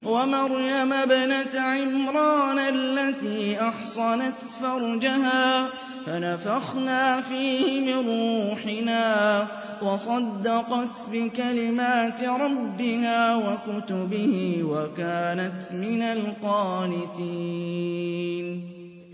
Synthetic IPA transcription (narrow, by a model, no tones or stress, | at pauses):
wamɑɾˤjamabanat̪ʕɪmɾˤɑːnalːat̪iːʔɑħsˤɑnat̪fɑɾˤd͡ʒahaː | fanafaxnaːfiːhɪmɪnɾˤuːħɪnaː | wɑsˤɑd̪ːɑqɑt̪bɪkalɪmaːt̪ɾˤɑbːɪhaːwakʊt̪ʊbɪhɪwakaːnat̪mɪnalqɑːlɪt̪iː | n